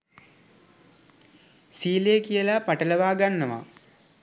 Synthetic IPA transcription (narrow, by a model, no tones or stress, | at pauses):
siːlejkijəlapaʈələʋaːɡanːəʋa̰